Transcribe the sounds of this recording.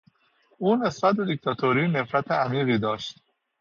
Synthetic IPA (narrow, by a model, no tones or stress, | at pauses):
ʔuːne̞sb̥æt̪̚be̞d̪ik̚t̪ʰɒːt̪ʰoɾiːne̞fɾæt̪ʰeæmiːɣiːd̪ɒːʃt̪